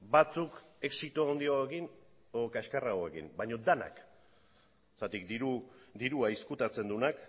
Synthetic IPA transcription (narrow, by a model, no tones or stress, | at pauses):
bat͡suke̞ksit̪oond̪iaekin | ookaeskaraoekḭmbaɲo̞d̪ana̰k | sat̪ikd̪iɾud̪iɾuaiskut̪at͡se̞nd̪unak